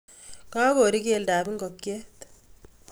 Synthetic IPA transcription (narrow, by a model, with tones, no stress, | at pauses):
kaː˦ko˨ɾi˦ke˦ldaː˨bi˦ŋkɔ˨kːje˦t̪